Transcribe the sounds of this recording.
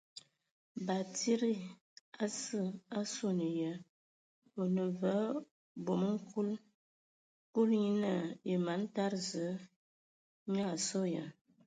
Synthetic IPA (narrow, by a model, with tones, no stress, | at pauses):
ba˨ti˦ɾi˦ | a˦sə˦a˦so˦nə˨jə˨ | o˨nə˨və˨˦ | bo˨mə˦ŋ̩˦kʰu˦l | pu˦lɲi˦nə˦˨e˨ma˨˦n˦ta˦ɾzə˨˦ | ɲa˦˨sɔ˦jə˨